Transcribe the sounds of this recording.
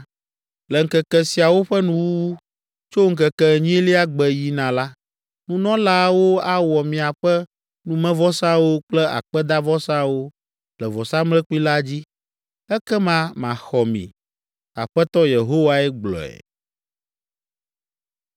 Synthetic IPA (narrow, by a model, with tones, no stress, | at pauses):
lɛ˨ŋ̩˨kɛ˨kɛ˨si˨a˨wo˦ɸɛ˦nũ˦wu˦ | t͡ʃo˦ŋ̩˦kɛ˨kɛ˨ɲĩ˦li˦a˦ɡ͡bɛ˨ji˨nã˨la˦ | nũ˦nɔ̃˦la˦wo˦a˦wɔ˨mĩ˨a˨ɸɛ˦ | nũ˦mɛ̃˦vɔ˦sã˦wo˦k͡plɛ˦a̰˨k͡pɛ˦d̪a˦vɔ˦sã˦wo˦ | lɛ˨vɔ˨sã˦mlɛ˦ku˦i˦la˦d͡ʑi˦ | ɛ˦kɛ˦mã˦mã˨xɔ˨mḭ̃˨ | a̰˨ɸɛ˦t̪ɔ˦je˨ɦo˦wa˦ɛ˦ɡ͡blɔ̰˨ɛ̰˨